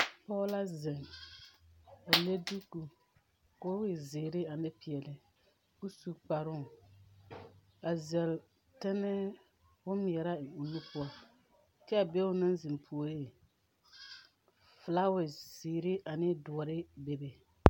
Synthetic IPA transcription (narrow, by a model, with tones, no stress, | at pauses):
pɔ˦la˦zɪ˨ŋ | a˨le˦du˦ku˨ | ko˦wɪ˨zɪː˨ɾɪ˦a˨nɪ˦pɪ˨ɛ˨lɪ˨ | ku˦su˨k͡pa˨ɾʊ˦ | a˨zɛ˨l | tɛ˦nɛ˦ | ʊ˦m˨ɛ˨ɾa˦ɪ˨ŋ˨u˨nːɪ˦pʊ˦ɔ˦ | kɛ˦a˨be˦ʊ˦na˦nzɪ˨mpʰu˨o˨ɾe˦˨ | fla˦wɪ˨z̥ɪː˨ɾɪ˦ʔa˨nɪ˦dʊ˨ɔ˨ɾɪ˦be˨be˨